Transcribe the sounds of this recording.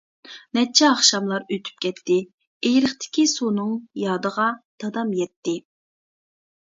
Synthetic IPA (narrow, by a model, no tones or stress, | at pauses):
nɛt͡ʃʰːɛɑχʃɑmlˠɑɾøt̪ʰy̥p̚kʲʰɛt̪ːɪ | ejɾɪχt̪ʰɪ̥kʲisunɨŋjɑːd̪əʁɑd̪̥ɑd̪ɑmjɛt̪ːɪ